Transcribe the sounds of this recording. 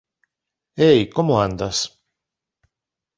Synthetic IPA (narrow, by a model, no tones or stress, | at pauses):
ejkomoand̪as